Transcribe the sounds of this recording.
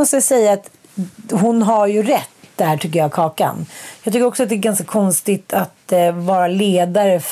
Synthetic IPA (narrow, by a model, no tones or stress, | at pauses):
ɔst̪əsɛjːaːt̪ | ɦʊnɦaɾjɵɾɛt̪ːd̪ɛæːʈʰʏkːəjɑːkʰɑːka̰njɑɡt̪ʏkːɾɔksɔat̪̚d̪ɛɡanskakʰɔnst̪ɪt̪ʰat̪vɑːɾaleːd̪aɾəf